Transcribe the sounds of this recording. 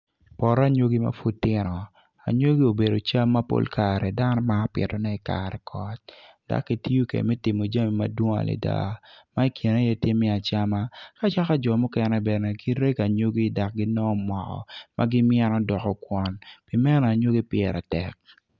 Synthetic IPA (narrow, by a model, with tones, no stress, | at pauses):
pɔ˨ɾa˦ɲo˦ɡi˦ma̰˦fu˦tːɪ˦nɔ˨ | a̰˨ɲo˦ɡi˦o˨be˨do˨t͡ʃa˦mːa˦po̰˦lka˨ɾɛ˨da˦nɔ˦maː˦pɪ̰˨tɔ˨nɛ˦i˨ka̰˨ɾɛ˨kʰɔ˦t̚ | da̰˨kkːi˦ti˦o˦kɛ̰˨mɛ˦tɪ˨mo˨d͡ʒa˦mi˨ma̰˦dwo˦ŋa̰˨lḛ˨da̰˦ma˦i˦kʰji˨na˦jɛ˦tje˦mːi˦a˨t͡ʃa˦ma˦ka˦t͡ʃa˦ka˦d͡ʒɔ˨mu˦kɛ˦nɛ˦bɛ˨nɛ˨ki˦ɾe˦ka˨ɲo˦ɡi˦˨da˨k̚ɡɪ˦nɔ˦˨mɔ˨kɔ̰˨mʔa̰˦ɡɪ˦mjɛ˦nɔ˦dɔ˨kɔ˨kwɔ˨npi˨mɛ˦nɔ˨a˨ɲo˦ɡi˦pɪɛ˨ɾa˨tɛ̰˨k̚